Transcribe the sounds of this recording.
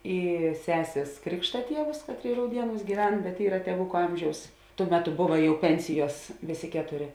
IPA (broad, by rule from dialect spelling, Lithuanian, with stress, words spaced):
ˈiː ˈsʲæːsʲeːs ˈkrʲɪkʃtɐ ˈtʲiɛʋʊs ˈkɑːtʲˌrʲeːɪ rɐʊˈdʲiɛˌnuːs ɡʲiːˈʋʲɛn bʲɛt ˈiːrɐ tʲiɛˈʋʊkʊ ˈɐmʲʒʲɛʊs ˈtuɔ ˈmʲæːˌtʊ ˈbʊʋɐ ˈjɛʊ ˈpʲɛnʲsʲɪˌjuɔs ˈʋʲeːˌsʲeː ˈkʲæːtoːˌrʲeː